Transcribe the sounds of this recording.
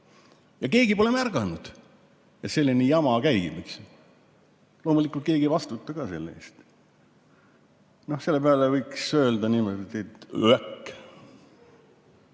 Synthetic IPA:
jɑke̞ːɡ̥ipo̞lemærɡ̥ɑnud̪̥ | et̪se̞lːinejɑmɑkæjɡḭmiks | lo̞ːmulikːˑult̪̚ke̞ːɡ̥ivɑst̪ut̪ːˑɑɡ̥ɑːse̞lːḛːst̪ | no̞hse̞lːepeɑlevɤjksø̞ːld̪ɑnimod̪et̪et̪ækː

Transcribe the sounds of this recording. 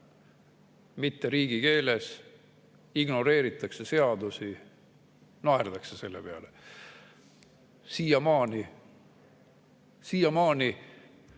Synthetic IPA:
mit̪ːe̞ɾiːɡ̥ike̞ːles | iɡno̞ɾe̞ːɾit̪ːˑɑkse̞se̞ɑd̪usi | nɑerd̪ɑksese̞lːe̞̰pe̞ɑ̰le | siːjɑmɑːni | siːjɑmɑːni

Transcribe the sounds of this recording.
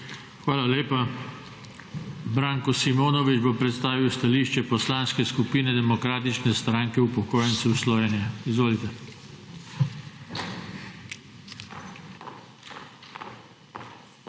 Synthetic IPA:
xʋaːlaleːpa | bɾaːŋkɔsimoːnɔʋid͡ʒbopɾɛt̪st̪aːʋiwst̪aliːʃt͡ʃɛpɔslaːnskɛskupiːnɛd̪ɛmɔkɾaːt̪it͡ʃnɛst̪ɾaːŋkɛupɔkoːjɛnt̪sɛwslɔʋenijaizʋoːlit̪ɛ

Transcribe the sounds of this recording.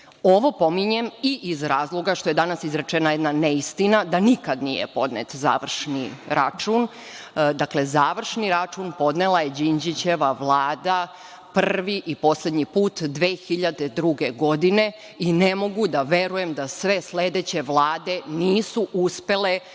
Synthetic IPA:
o̞ʋo̞po̞miɲemiʔizɾaːzlˠo̞ɡaʃt̪o̞je̞d̪anasizɾet͡ʃenajed̪naneist̪inad̪anikad̪nḭjḛpo̞d̪nḛt̪za̰ːʋr̩ʃniɾa̰t͡ʃun | d̪akle̞zaːʋr̩ʃniɾat͡ʃunpo̞d̪nelˠajed͡ʑind͡ʑit͡ɕe̞ʋaʋlˠaːd̪a | prʋiʔipo̞sle̞d̪ɲipuːt̪d̪ʋeːxiʎad̪e̞d̪ɾuɡeɡo̞d̪ine̞ | inemo̞ɡud̪aʋe̞ɾuje̞md̪asʋe̞sle̞d̪et͡ɕe̞ʋlˠaːd̪e̞niːsuʔuspe̞le̞

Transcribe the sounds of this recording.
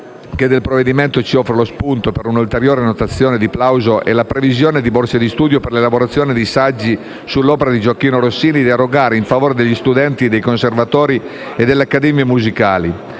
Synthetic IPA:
ked̪ːelpɾovːed̪iment̪ot͡ʃiɔfɾelospunt̪opeɾunult̪eɾjɔːɾenot̪at̪sːjɔːned̪iplawzoʔḛlapɾevizjɔːned̪iborsed̪ist̪uːd̪joperlelaboɾat̪sːjɔːned̪isad͡ʒːi | sulːɔːpeɾad̪id͡ʒokːiːnoɾosːiːnid̪iaɾoɡaːɾeiɱfavoːɾed̪eʎːist̪ud̪ɛnt̪id̪ejkonservat̪ɔːɾi | ed̪ːeleakːad̪ɛːmjemuzikaːli

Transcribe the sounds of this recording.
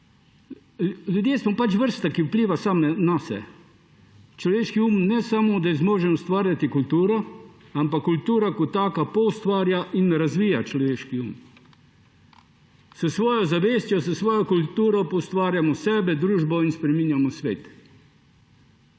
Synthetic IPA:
ljud̪jeːsmɔpat͡ʃʋəɾst̪akiupliːʋasamɛnasɛ̰ | t͡ʃlɔʋeːʃkiuːmnɛsamɔd̪azmoːʒɛust̪ʋaːɾjat̪ikult̪uːɾɔ | ampakːult̪uːɾakɔt̪ːaːkapɔust̪ʋaːɾjaʔinːɛɾazʋiːjat͡ʃlɔʋeːʃkiṵm | səsʋɔːjɔzaʋeːst̪jɔsəsʋɔːjɔkult̪uːɾɔpɔwst̪ʋaːɾjamɔsɛːbɛd̪ɾuːʒbɔinspɾɛmiːnjamɔsʋeːt̪

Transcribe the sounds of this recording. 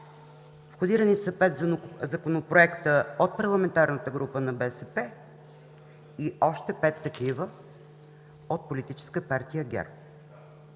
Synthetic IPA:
fxod̪iɾənisəpɛt̪zɐkonopɾoɛkt̪əot̪̚pɐɾlˠɐmɛnt̪aɾnət̪əɡɾupənɐbɛsɛpɛ | iʔɔʃt̪ɛpɛt̪ːɐk̟ivə | ot̪̚polit̪it͡ʃɛ̥skəpaɾt̪ijəɡʲɛ̰ɾp

